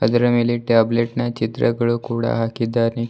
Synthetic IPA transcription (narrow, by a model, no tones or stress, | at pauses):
əd̪ɾəmiliʈableʈnjat͡ɕit̪ɾə̰ɡəɭukuɽa̰ɦakid̪aɾni